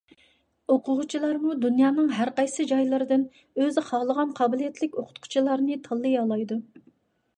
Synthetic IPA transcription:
oqʰʊʁʊt͡ʃʰilˠɑɾmud̪unjɑːnɨŋɦæɾqɑjsɨd͡ʒɑjlˠɨɾɨd̪ɪn | øzχɑːlˠəʁɑnqʰɑːbɪlˠijɛt̪ʰlɪkʲoqʰʊ̥t̪qʰʊ̥t͡ʃʰilˠɑɾnɨt̪ʰɑlˠːɨjɑlˠɑjd̪u

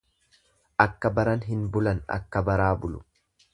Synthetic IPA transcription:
ʔɐkːɐbɐɾɐnɦɪnbʊlɐnɐ̰kːɐbɐɾaːbʊlʊ̥

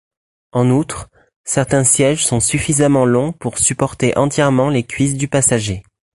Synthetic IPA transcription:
ɑ̃nut̪χ | sɛʁt̪ɛ̃sjɛʒsɔ̃syfizamɑ̃lɔ̃puʁsypɔʁt̪eʔɑ̃t̪jɛʁmɑ̃lekʲɥis̬d̪ypasaʒe

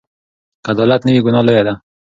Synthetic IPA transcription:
kad̪ɔlat̪nawiɡʊnɑləjad̪a

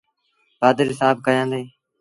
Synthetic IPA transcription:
baːd̪əɾɦɪsaːb̚kəjãːd̪eː

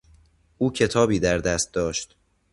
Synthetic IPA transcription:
ʔuːcʰe̞t̪ʰɒːbiːd̪æɾd̪æst̪̚d̪ɒːʃt̪

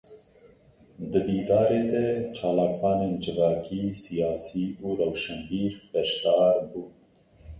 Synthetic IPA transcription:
d̪ɨb̪iːd̪ɑːɾeːd̪ɛt͡ʃʰɑːlɑːkwɑːneːnd͡ʒɨvɑːkʰiːsijɑːsiːuːɾɛwʃɛnb̪iːɾbɛʃt̪ɑːɾbuː

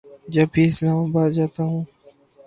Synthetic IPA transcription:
d͡ʒɐbʱiːɪslaːmaːbaːd̪d͡ʒaːt̪aːɦũː

